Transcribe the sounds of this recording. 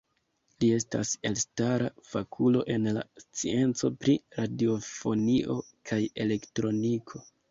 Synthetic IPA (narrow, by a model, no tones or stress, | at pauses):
lie̞sta̰se̞lstaɾafakʰulo̞ʔe̞nla̰st͡sie̞nt͡so̞pɾiɾadio̞fo̞niʔo̞ | kʰaje̞le̞ktɾo̞nikʰo̞